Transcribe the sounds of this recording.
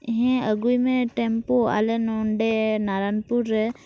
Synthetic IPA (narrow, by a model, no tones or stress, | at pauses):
ɦɛ̃əɡujmẽʈempoa̰lenoɳɖenaɾaːnpuɾ